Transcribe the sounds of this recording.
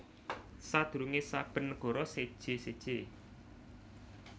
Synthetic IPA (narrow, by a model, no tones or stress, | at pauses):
sad̪̥ṳɾuŋesab̥ə̤nɡ̥ɔ̤ɾɔsed̥ʒ̥esed̥ʒ̥e